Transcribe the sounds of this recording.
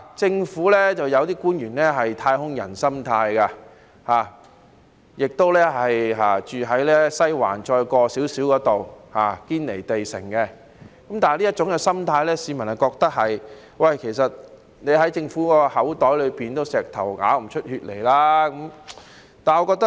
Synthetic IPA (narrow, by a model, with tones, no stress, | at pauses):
t͡sɪ˧ŋfuː˨˥lɛː˥t͡sɐ˨wjɐ˨˧wt̪iː˥kuː˥njyː˨˩nlɛː˥ɦɐ˨jt̪ʰaː˧jhʊ˥ŋjɐ̰˨˩nsɐ˥mt̪ʰaː˧jkaː˧ | haː˨ | jɪ˨k̚t̪o˥wlɛː˥ɦɐ˨jɦaː˨˩t͡ʃyː˨ɦɐ˨˥jlɛː˥sɐ˥jwa̰ː˨˩nt͡ʃɔː˧jkɔː˧siː˨˥wsiː˨˥wkɔː˨˥t̪o˨whaː˨˩kiː˥nle˨˩jt̪e˨jsɪ̰˨˩ŋkɛ˧ | kɐ˨˥mt̪aː˨liː˥ɐ˥t͡ʃʊ˨˥ŋkɛː˧sɐ˥mt̪ʰaː˧jlɛː˥siː˨˧mɐ˨˩nhɐ˨kɔː˧k̚t̪ɐ˥k̚hɐ˨j | wɐ˨jkʰe˨˩jsɐ˨t̚ | ne˨˧ɦɐ˨˥jt͡sɪ˧ŋfuː˨˥kːɔː˧hɐ˨˥wt̪ɔː˨˥jlɵ˨˧ɥpiː˨nt̪o˥wsɛː˨k̚t̪ʰɐ˨˩wŋa̰ː˨˥wm̩˨˩t͡ʃʰɵ˥t̚hyː˧t̚le˨˩jlaː˥kɐ˨˥m | t̪aː˨˩nŋɔː˨˧kɔː˧k̚t̪ɐ˥